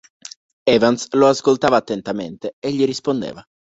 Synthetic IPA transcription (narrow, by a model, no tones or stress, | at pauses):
ɛːvansloaskolt̪aːvaːt̪ːent̪ament̪eeʎːiɾispond̪ḛːva